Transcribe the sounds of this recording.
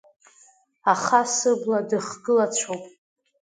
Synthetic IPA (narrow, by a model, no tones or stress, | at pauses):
aχasɨbladɨχɡɨlat͡ɕʷʰowpʼ